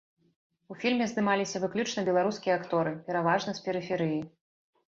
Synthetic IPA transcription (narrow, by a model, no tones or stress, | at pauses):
ufʲilʲmʲɛzd̪ɨmalʲisʲɐvɨklʲut͡ʂnɐbʲɛlˠaɾuskʲijɐakt̪ɔɾɨpʲɛɾavaʐnɐspʲɛɾɨfʲɛɾɨji